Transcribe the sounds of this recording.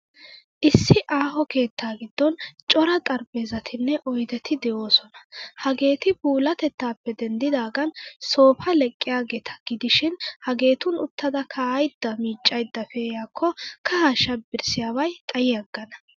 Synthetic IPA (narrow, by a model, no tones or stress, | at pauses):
ʔɪsːɪʔaːɦɔke̞ːt̪ːaːɡɪd̪̥ːɔnt͡ʃʼɔɾɐt̪ʼɐɾbeːzɐt̪ʰɪnːɛʔɔjd̪ɛt̪ʰɪd̪ɛʔo̞ːsɔnɐhɐɡe̞ːt̪ɪbuːlɐt̪ɛt̪ːaːpːɛd̪ɛnd̪ɪd̪aːɡɐnso̞ːfɐlɛkʼːɪjaːɡeːt̪ʰɐ̥ɡ̥ɪd̪ɪʃɪnhɐɡe̞ːt̪ʊnʊt̪ːɐd̪ɐkʰɐjd̪ːɐmiːt͡ʃʼːɐjd̪ːɐfɛjaːkʰːɔkɐhaʃɐbɪɾsɪjaːwɐjt̪ʼɐjɪjɐɡːɐnɐ